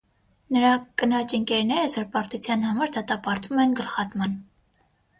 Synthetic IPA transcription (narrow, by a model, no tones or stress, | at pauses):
nəɾɑkənɑt͡ʃəŋkɛɾnɛɾəzəɾpɑɾt̪ut͡sʰjɑnhɑmɑɾd̪ɑt̪ɑpɑɾt̪vumɛnɡəlχɑt̪mɑn